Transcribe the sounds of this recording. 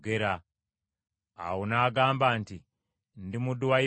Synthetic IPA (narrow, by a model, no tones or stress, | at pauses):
ɡe̞ɾa | a̰wonaːɡaːmbaːnti | ndimuduwai